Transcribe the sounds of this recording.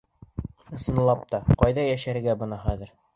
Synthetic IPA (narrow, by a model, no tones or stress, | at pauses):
ɤ̆sɤ̆nlˠɑp̚t̪ɑqɑjðɑjæʃæɾɘ̆ɡæbɤ̆nɑχæðɘ̆ɾ